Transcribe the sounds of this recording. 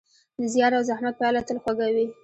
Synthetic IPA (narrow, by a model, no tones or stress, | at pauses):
d̪əzjɑɾawzahmat̪̚pjɑlat̪əlxwaɡawi